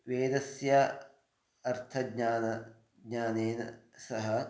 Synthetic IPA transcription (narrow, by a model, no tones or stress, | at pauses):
ʋeːd̪ɐsja | ɐɾt̪ʰɐɡɲaːnɐ | ɡɲaːneːnɐ̰sɐɦɐ